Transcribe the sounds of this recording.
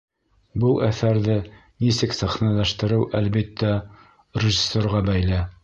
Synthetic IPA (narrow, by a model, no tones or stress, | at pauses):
bulˠʔæθæɾðɘ | nisɘksæχnælæʃt̪ɘ̆ɾɘwʔælβit̪ʰːæ | rʲɪʒɪsoɾʁɑbæjlæ